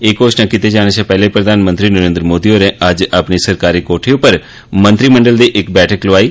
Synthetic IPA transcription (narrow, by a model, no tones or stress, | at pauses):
eːkoːt͡ʃnãkit̪ed͡ʒaːɽ̃et͡ʃɛ̃ːpɛːlepɾəd̪ʱaːnmə̃nt̪ɾiːnəɾẽːnd̪ɾəmoːd̪iːɦoːɾẽːʔəd͡ʒəpniːsəɾkaːɾiːkoːʈʰeːʊpːəɾ | mə̃nt̪ɾiːmə̃ɳɖəld̪iːʔɪkbɛːʈʰəkloaːiː